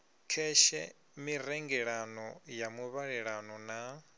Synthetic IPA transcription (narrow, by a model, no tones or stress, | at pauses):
kʰɛʃɛ̰ | miɾɛŋɡɛɺanɔjamuβaɺɛɺanɔna